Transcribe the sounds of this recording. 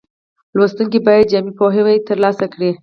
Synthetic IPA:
lwost̪uŋk̬ibɑjad̪̚d͡ʒamipoɦewat̪əɾlɑsakɽi

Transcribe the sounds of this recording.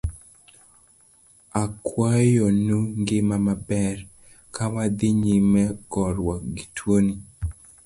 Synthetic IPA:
akwajɔnuŋɡɪmamabɛr | kawad̪ɪɲimɛkɔɾwɔɡitʰwoni

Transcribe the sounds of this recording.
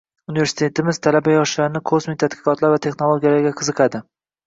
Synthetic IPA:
unive̞ɾsɪ̥t̪ʰe̞t̪ɪmɪzt̪ʰalabajɒʃlaɾnɪkʰosmɪt̪ʰat̪qɨ̥qɒt̪laɾvat̪ʰe̞χnolˠoɡʲijalaɾɡʲaqʰɨzɨqʰɑd̪ɪ

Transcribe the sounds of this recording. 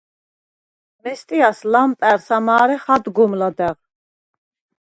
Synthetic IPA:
mɛst̪ʼiaslampʼɛɾsamaːɾɛχad̪ɡɔmlad̪ɛʁ

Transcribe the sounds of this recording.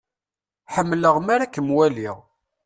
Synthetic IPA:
ħəmːləʁmaɾækːəmwæliʁ

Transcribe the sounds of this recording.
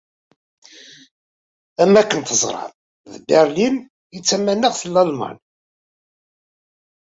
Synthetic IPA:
æmːækːənt̪əzˤɾˤɑ̰n | ðbæɾlin | jət͡sːæmːænːəʁθəlːɑlmɑ̰n

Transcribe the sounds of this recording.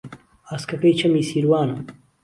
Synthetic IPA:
aːskʰɐpejt͡ʃʰɐmiːsiːɾwaːnɐ

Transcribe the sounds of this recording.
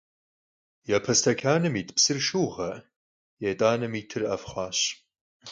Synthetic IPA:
japʰɐstʰakʲʰaːnɨmitʰʼpʰsɨrʂuʁaʔ | jatʼaːnɨmitʰɨrafχʷaːʃ

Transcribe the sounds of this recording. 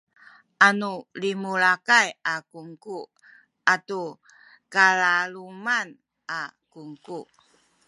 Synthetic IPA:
ʔanulimuɭakajakuŋku | atu | kalaluman | ʔakuŋku

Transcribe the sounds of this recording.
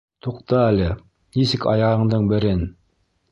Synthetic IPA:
t̪uqt̪ɤælɘ | nisɘkɑ̰jɑʁɤ̆ɴd̪ɤɴbɘ̆ɾɘn

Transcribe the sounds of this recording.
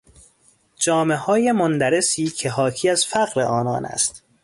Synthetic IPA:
d͡ʒɒːme̞hɒːje̞mond̪æɾe̞siːcʰe̞ɦɒːkʰiːæzfæɣɾe̞ʔɒːnɒ̰ːnæ̰st̪

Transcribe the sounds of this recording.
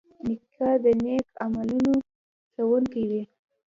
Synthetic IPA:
nɪkʰɑd̪ənekamaluno | sawuŋkid̪i

